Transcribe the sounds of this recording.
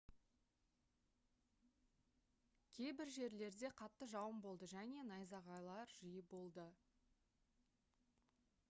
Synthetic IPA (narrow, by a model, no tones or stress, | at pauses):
kʲʰe̞jbɪɾʒe̞ɾle̞ɾd̪e̞qʰɑt̪ːəʒɑwəmbo̞lˠd̪əʒæne̞nɑjzɑʁɑjlˠɑɾʒəjəbo̞lˠd̪ə